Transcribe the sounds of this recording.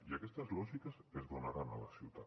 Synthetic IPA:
iakɛst̪əzlɔʒikəsezðonaɾanələsiwt̪a

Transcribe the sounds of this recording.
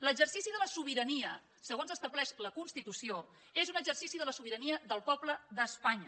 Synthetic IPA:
ləɡzərsisiðələsuβ̞iɾəniə | səɣ̞onzəst̪əβlɛʃləkunst̪it̪usio | ezunəɡzərsisiðələsuβ̞iɾəniəðəlˠpɔbləðəspaɲə

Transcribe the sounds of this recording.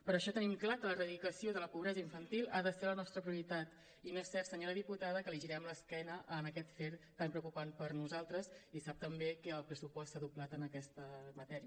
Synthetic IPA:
pəɾəʃɔt̪ənimklakələrəðikəsioðələpuβɾɛzəiɱfənt̪ilˠaðəselənɔst̪ɾəpɾiuɾit̪at̪ | inoɛssɛɾt̪səɲoɾəðiput̪að̞əkəliʒiɾɛmləskɛnəʔənəkɛt̪feɾt̪ːampɾəwkupanpəɾnuzalˠt̪ɾəzisap̚t̪əmbekəːlˠpɾəsupɔstsaðublat̪ənəkɛst̪əmət̪ɛɾiə

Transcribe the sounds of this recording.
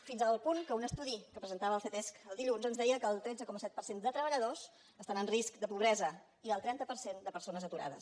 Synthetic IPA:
finzəlˠpuŋkəunəst̪uðikəpɾəzənt̪aβəlˠθet̪ɛskəlˠd̪iʎunzənzðɛjəkəːlˠt̪ɾɛd͡zəkɔməsɛt̪̚pəɾsend̪ət̪ɾəβ̞əʎəðos | əst̪anənriskd̪əpuβ̞ɾɛzə | iəlˠt̪ɾɛnt̪əpəɾsend̪əpəɾsonəzət̪uɾa̰ðə̰s

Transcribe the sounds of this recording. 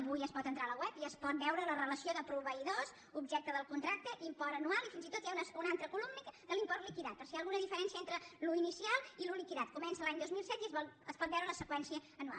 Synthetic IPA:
əβujəspɔt̪ənt̪ɾaləwɛpiəspɔt̪̚bɛwɾələrələsioðəpɾuβəiðos | ubʒɛk̚t̪əðəlˠkunt̪ɾak̚t̪əʔimpɔɾənualˠifinzit̪ot̪jaunəsunant̪ɾəkulumnikd̪əlimpɔɾlikiðat̪̚pəɾsialˠɣunəðifəɾɛnsiəent̪ɾəluinisialˠilulikiðat̪kumɛnsəlaɲd̪ozmilˠsɛt̪iəzəspɔt̪̚bɛwɾələsəkwɛnsiəːnua̰l

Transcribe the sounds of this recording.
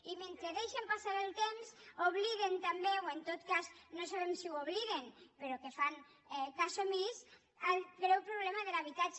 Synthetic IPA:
iment̪ɾeðejʃempasaɾelt̪emsoβ̞liðent̪ambeoent̪ot̪kaznosaβ̞emsiwoβliðenpeɾokefaŋ | ɛkasomis | alɣɾɛwpɾoβ̞lɛmaðelaβ̞it̪at͡ʃ

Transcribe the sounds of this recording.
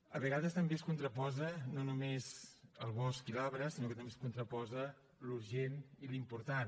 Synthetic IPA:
əβəɣaðəst̪əmbeəskunt̪ɾəpɔzənonumezəlˠβɔskilɔβɾəsinokət̪əmbeskunt̪ɾəpɔzə | luɾʒenilimpuɾt̪an

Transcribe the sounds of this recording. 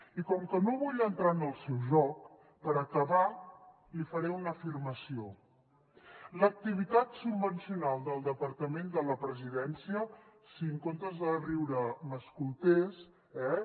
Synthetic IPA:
ikɔmkənoβuʎənt̪ɾanəlˠsɛwʒɔk | pəɾəkəβa | lifəɾɛunəfirməsio | lək̚t̪iβ̞it̪at̪subbənsiunalˠd̪əlˠd̪əpəɾt̪əmend̪ələpɾəziðɛnsiəsiəŋkont̪əzðəriwɾəməskulˠt̪es | ɛ

